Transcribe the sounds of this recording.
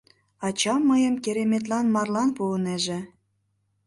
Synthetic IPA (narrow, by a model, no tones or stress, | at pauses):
ɑt͡ɕɑmːəjə̆mkeɾemet̪̬lɑnmɑrlɑnpuəneʒĕ